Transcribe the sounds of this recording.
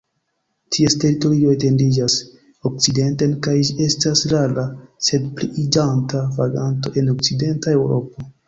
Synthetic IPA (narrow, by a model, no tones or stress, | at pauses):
tʰieste̞ɾito̞ɾio̞ete̞ndid͡ʒas | ok̚t͡side̞ntenkajd͡ʒie̞stasɾalase̞dpliʔid͡ʒantavaɡanto̞̰ʔe̞no̞kt͡side̞ntae̞wɾo̞̰p̚o̞